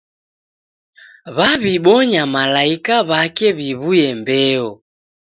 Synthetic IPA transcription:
βaβiɓɔɲamalaikaβakɛβiβujɛmbɛɔ

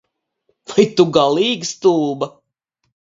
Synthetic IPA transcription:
v̥ajt̪uɡalˠiːɡst̪uːbɐ

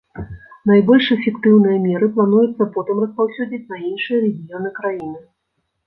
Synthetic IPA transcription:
najbɔlʲʂɛfʲɛkt̪ɨwn̪ɨjɐmʲɛɾɨplˠan̪ujut̪sːɐpɔt̪ɨmrɐspawsʲɔd͡zʲit͡sʲnɐinʂɨjɐɾɛɣʲijɔnɨkɾajinɨ

